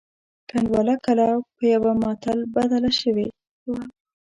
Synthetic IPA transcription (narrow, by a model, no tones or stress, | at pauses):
kanwɑlakalapəjawamɑt̪albad̪alaʃəwe | wa